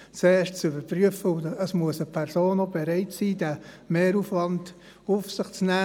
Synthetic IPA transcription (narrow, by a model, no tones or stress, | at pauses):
t͡seːʃtt͡sybəɾpryəfəʊəsmuəsəpʰɛɾsoːnobeɾɛɪtsiːdæ | meːɾufʋɑnd̥ | ufsɪχt͡snæː